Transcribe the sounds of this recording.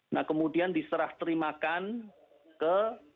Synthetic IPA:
nahkəmudiandisəɾaht̪əɾimakan | kə

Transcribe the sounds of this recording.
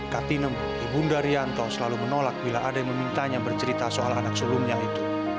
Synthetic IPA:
kat̪inəm | dibundaɾiant̪ɔsəlalumənolak̚bilaʔadaməmint̪aɲabərt͡ʃəɾit̪asoalanak̚səlumɲait̪u

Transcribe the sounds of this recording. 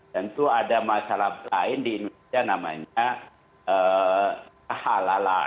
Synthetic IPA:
t̪ənt̪uadamasalahbəlaɪndiːndunesianama̰ɲa | ʔə | kahalala̰

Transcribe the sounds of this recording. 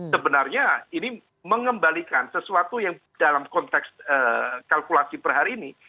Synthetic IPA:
səbənarɲaini | məŋəmbalikansəsuat̪ujaŋ | d̥alamkɔnt̪ɛksəːkalkulasipərɦaɾiːni

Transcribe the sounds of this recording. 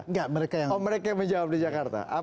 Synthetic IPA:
ŋɡaməɾekajaməɾekajaməɲd͡ʒawap̚did͡ʒakart̪a̰ʔa

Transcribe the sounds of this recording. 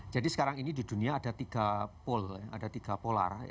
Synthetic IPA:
d͡ʒadisə̥kaɾaŋinididuniaːdat̪iɡ̥apʊla̰dat̪iɡ̥apola̰r

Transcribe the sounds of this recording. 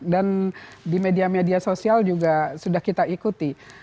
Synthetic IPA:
dandimediamediasosiald͡ʒuɡasudahkit̪aikut̪i

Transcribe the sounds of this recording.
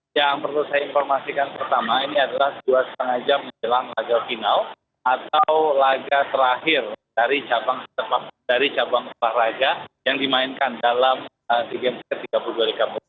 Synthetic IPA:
jaŋpərlusajainfɔrmasikanpərt̪amainiadalahduasətaŋad͡ʒamːəɲd͡ʒəlanlaɡafinal | at̪awlaɡat̪əɾaɦɪrdaɾit͡ʃabaŋstat̪̚padaɾit͡ʃabaŋsulahraɡajaŋdimaɪnkandalam | əsiɡɛnsikət̪iɡapulduaɾikamə

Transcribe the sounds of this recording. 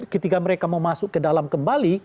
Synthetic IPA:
kət̪ikaməɾekamaumasʊkkːədalamkəmbali

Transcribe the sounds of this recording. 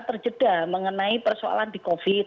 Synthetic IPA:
t̪ərd͡ʒəd̥aməŋənaipərsoa̰landikofi

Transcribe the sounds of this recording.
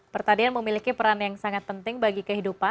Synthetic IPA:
pərt̪adianməmilikipəɾanjaŋsaŋat̪̚pənt̪ɪŋbaɡikəɦidupa

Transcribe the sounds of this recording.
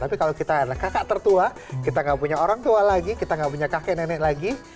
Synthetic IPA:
t̪apikalokit̪adlahkakaʔt̪ərt̪ua | kit̪aŋɡaʔpuɲaoɾaŋt̪ualaɡikit̪aŋɡaʔpuɲakakɛʔnɛnɛʔlaɡi

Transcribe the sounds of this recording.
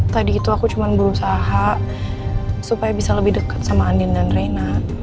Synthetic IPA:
t̪adiːt̪uakut͡ʃumanbəɾusaɦa | supajabisaləbɪhdəkḁt̪̚samaːndɪndanrena

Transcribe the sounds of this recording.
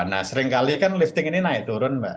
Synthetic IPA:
na̰səɾɪŋkalikanlift̪ɪŋininaɪt̪uɾʊnbɛʔ

